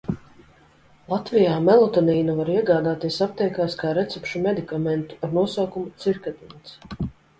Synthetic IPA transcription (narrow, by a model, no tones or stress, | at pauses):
lˠat̪vijaːmɛlˠɔt̪ɔniːnuvaɾiɛɡaːd̪aːt̪iɛsap̚t̪ɛjkaːskaːɾɛt̪sɛpʃumɛd̪ikamɛnt̪u̥aɾnuɔsawkumut̪siɾkad̪int̪s